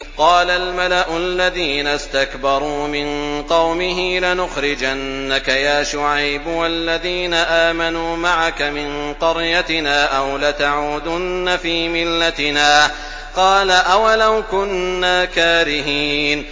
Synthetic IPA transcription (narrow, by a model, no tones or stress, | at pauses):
qɑːlalmalaʔʊlːaðiːnast̪akbɑɾˤuːmɪnqɑwmɪɦɪlɪnʊxɾɪd͡ʒanːakajaːʃʊʕajbwalːaðiːnaʔaːmanuːmaʕakamɪnqɑɾjat̪ɪnaːʔawlat̪aʕuːd̪ʊnːafiːmɪlːat̪ɪnaː | qɑːlaʔawalawkʊnːaːkaːɾɪɦiːn